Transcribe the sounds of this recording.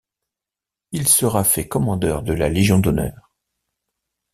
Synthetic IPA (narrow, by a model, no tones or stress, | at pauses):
ilsəʁafɛkɔmɑ̃d̪œʁd̪əlaleʒjɔ̃d̪ɔnœ̰ːʁ